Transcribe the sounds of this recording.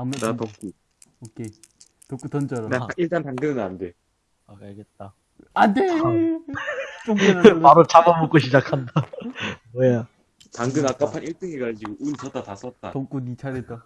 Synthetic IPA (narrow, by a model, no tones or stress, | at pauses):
amenatok͈u | okʰe | tʌk͈utʌnt͡ɕʌɾʌnaaiɭt͈antaŋɡɯnɯnande | akaɭɡet̚t͈a | ane | t͡ɕoŋamaɾot͡ɕamamok͈oɕʰid͡ʑakʰandamoja | taŋɡɯnak͈apʰaniɭt͈ɯŋeɡaʎd͡ʑiɡoʔunt͡ɕʌt̚t͈atas͈ʌt̚t͈a̰tʌk͈unit͡ɕʰaɾeta